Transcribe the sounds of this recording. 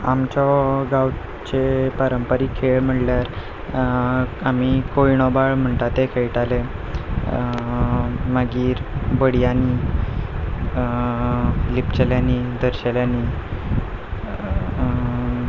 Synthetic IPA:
amt͡ɕɔɡaw | t͡ɕepəɾəmpəɾiːkʰeɭm̤əʈljaɾ | amikojɳɔbaɭm̤əɳt̪at̪ekʰeɭʈale | maɡiːɾbəɽjani | lipt͡ɕeljanid̪əɾɕeljani

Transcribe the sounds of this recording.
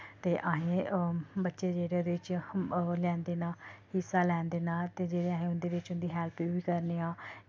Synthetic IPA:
t̪eːʔaɦẽːbətːʃeːd͡ʒeːɽed̪eɪt͡ʃ | lɛ̃ːnd̪eːnãːhɪsːaːlɛ̃ːnd̪eːnãːt̪eːd͡ʒeːɽeːaːɦẽːʊnd̪eːʋɪt͡ʃʊnd̪iːɦɛːlpiːbiːkəɾneːãː

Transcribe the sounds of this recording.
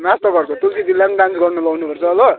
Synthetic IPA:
mast̪ʌɡʌrt͡sʰot̪ulkit̪ilanɖansɡʌrnʌbawnupʌrt͡sʰʌːlʌ

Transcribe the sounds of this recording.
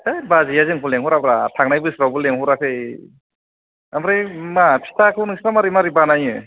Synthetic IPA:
ajbazijazeŋkʰuleŋhuɾabɾatʰaŋ̚najbɯjsɾawbɯleŋhuɾakʰɯj | amɾajmapʰi̥tʰakʰɯwnɯŋsɾamaɾimaɾibanajɯ

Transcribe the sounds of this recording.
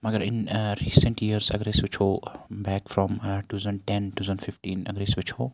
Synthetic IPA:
mɐɡəɾɪ̃nɾiːsə̃ɳʈjiəɾzɐ̰ɡɾeːsʋɪt͡ʃʰoːbɛːkfɾɔ̃mʈuːzə̃ɳɖʈɛ̃nʈuːzə̃ɳɖfɪfʈĩːnɐ̰ɡɾeːsʋɪt͡ʃʰoː

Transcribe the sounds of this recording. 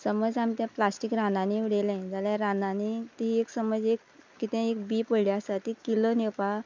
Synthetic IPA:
səməd͡zamt̪jãplasʈikɾãnãniʋiɽelẽd͡zaljaɾãnanit̪iɦieksəməd͡zekkːit̪ɛ̃ekbiːpəɽlaasat̪ikilonepa

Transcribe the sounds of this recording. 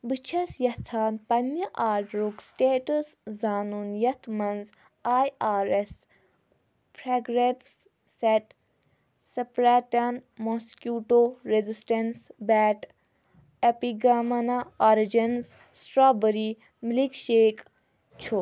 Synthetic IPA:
bɨt͡ʃʰɐsjɐt͡sʰaːnpɐnjɐʔaːɾʈɾuksʈeːʈəszaːnunijɐt̪mɐnz | aːjaːɾes | pʰɾaːɡɾeps | seʈ | sɐpɾaːʈanmoskʲjuːʈoːɾezisʈɐnsbɛːʈ | epiɡaːmɐnaɔɾid͡ʒɐns | sʈɾaːbəɾi | mlikʃeːk | t͡ʃʰu

